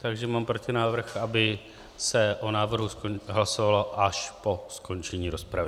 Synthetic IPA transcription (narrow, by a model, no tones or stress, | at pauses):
t̪aɡʒɛmaːmpɾocɪnaːvr̩xʔabɪ | sɛʔonaːvr̩ɦuskoɦlasovalo̞ʔaʃpo̞sko̞nt͡ʃɛɲiːɾo̞spɾavɪ